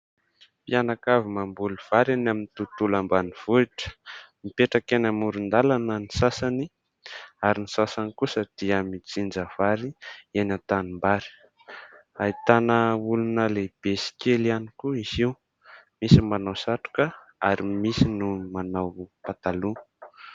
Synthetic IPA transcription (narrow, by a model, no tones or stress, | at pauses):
pianakavimambuluv̥aɾanaminit̪ut̪ulambaniv̥uiʈ͡ʂə̥mipeʈ͡ʂakenamuɾund̪alanənisasani | aɾinisasanikusəd̪̥iəmit͡sind͡zəv̥aɾienat̪animbaɾi̥ | ait̪anəulunəleb̥esi̥kelianikuiziw | misimanawsaʈ͡ʂu̥kə | aɾimisinumanawpat̪alu